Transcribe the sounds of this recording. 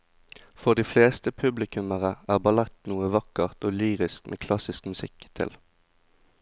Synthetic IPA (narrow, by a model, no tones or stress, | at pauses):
fɔʁd̪iːfleːst̪əpʰʉblɪkʉməʁəæːʁbɑlɛt̪nuːəʋɑkəʁt̪oːlyːʁɪskmʔḛːkʰlɑsɪskmʉsɪkt̪ʰɪ̰l